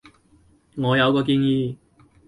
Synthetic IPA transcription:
ŋɔː˨˧jɐ˨˧wkɔː˧k̬iː˧njiː˧

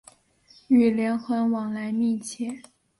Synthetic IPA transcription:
y˨˩ljɛ˧˥nxə˧˥nwɑ˨˩ŋla˧˥ɪmɛ˥˧t͡ɕʰjɛ˥˩

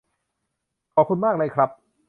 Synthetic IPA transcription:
kʰɔː˨p̚kʰu˧nmaː˥˩k̚lɤː˧jkʰɾa˦˥p̚

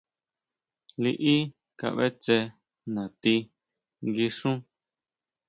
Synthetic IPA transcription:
li˧ʔi˦ | ka̰˧˨ʔβḛ˦t͡ʃe˧ | nã˨t̪i˧ | ɡi˧ʂũ˦

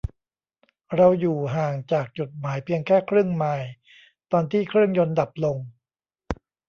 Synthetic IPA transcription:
ɾa˧wjuː˨˩ɦaː˨˩ŋt͡ɕaː˨˩k̚t͡ɕu˨˩t̪̚maː˩˦jpʰi˧ənkʰɛː˥˩kʰɾɯ˥˩əŋmaː˧j | t̪ɔː˧nt̪ʰiː˥˩kʰɾɯ˥˩əŋjo˧nda˨˩p̚lo˧ŋ

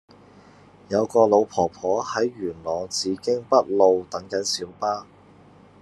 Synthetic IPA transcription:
jɐ˨˧wkɔː˧lo˨˧wpʰɔː˨˩pʰɔː˨˥hɐ˨˥jːyː˨˩nlɔː˨˩t͡siː˨˧kɪ˥ŋpɐ˥t̚lo˧wt̪ɐ˨˥ŋkɐ˨˥nsiː˨˥wpaː˥

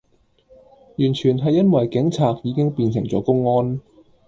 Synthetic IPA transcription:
jyː˨˩nt͡ʃʰyː˨˩nɦɐ˨jːɐ˥nwɐ˨jkɪ˨˥ŋt͡sʰaː˨k̚jiː˨˧kɪ˥ŋpiː˧nsɪ˨˩ŋt͡sɔ̰ː˨˥kʊ˥ŋːɔː˥n

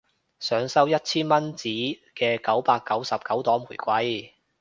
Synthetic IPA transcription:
sœː˨˧ŋsɐ˥wjɐ˥t̚t͡sʰiː˥nmɐ˥nt͡siː˨˥kɛː˧kɐ˨˥wpaː˧kːɐ˨˥wsɐ˨p̚kɐ˨˥wt̪ɔː˨˥ŋmuː˨˩jkʷɐ˨˥j

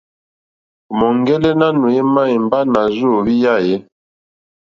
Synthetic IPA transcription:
mɔ˨ŋ˦ɡɛ˦lɛ˦na˦nu˨jɛ˦ma˦˨i˨m˨ba˦na˨zu˦o˨bi˦ja˦˨jɛ˦

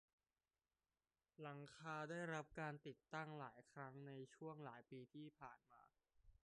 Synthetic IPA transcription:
la˩˦ŋkʰaː˧daː˥˩jɾa˦˥p̚kaː˧nt̪i˨˩t̪ːa˥˩ŋlaː˩˦jkʰɾa˦˥ŋna˧jt͡ɕʰu˥˩əŋlaː˩˦jpiː˧t̪ʰiː˥˩pʰaː˨˩nma̰ː˧

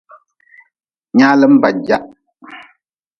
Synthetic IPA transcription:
ɲaː˦lə˦m̩˦ba˨d͡ʒa˦ʔ

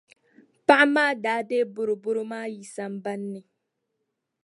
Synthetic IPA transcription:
pa˦ʔa˦maː˦daː˦de˦bʊ˦ɾʊ˨bʊ˦ɾʊ˦maː˦ji˨sa˦m̩˦ba˦nːɨ˨

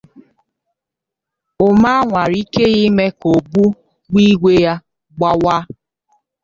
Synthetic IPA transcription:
ʊ˨ma˦ŋʷa˨ɾi˦ke˦ɣi˦me˦ko˨bu˦ | ɡ͡bi˦ɡʷe˦ja˦ | ɡ͡ba˦wa˦

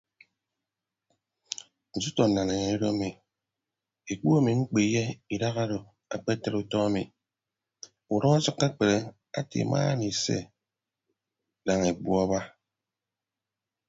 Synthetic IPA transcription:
n̩˨zu˦tɔ˨na˨ne˨ɲe˨i˦ɾo˦mi˨ | e˨k͡pu˦a˦mi˨ŋ͡m̩˦k͡pi˨je˦i˨da˦ɣa˦ɾo˨ | a˨k͡pe˦te˦ɾu˦tɔ˦a˦mḭ˨ | u˨ɾɔ˦a˦sɔ˦kːa˦k͡pe˨ɾe˨ | a̰˦tḭ˨mʔa̰ː˦ni˨sḛ˦ | da˨ŋe˨bwu˦a˦ba˦

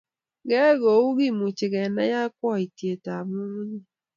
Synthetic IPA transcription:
ɡɛ˦ɣo˨u˦ɡɪ˦˨mu˨t͡ʃɪ˨ɣɛ˨na̰˦ja˦kwɔ˦˨i˨tje˨ta˨mu˦ŋ˦ɲi˦

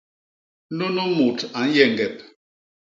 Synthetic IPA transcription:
no˦no˦mo˨ta˨n̩˦jɛ˨ŋ˨ɡɛ˨p̚

